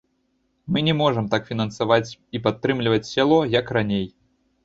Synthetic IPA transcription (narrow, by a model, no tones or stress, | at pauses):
mɨnʲɛmɔʐɨmt̪akfʲinɐnsavat͡sʲipat̪ːɾɨmlʲivɐt͡sʲsʲalˠɔjɐkranʲej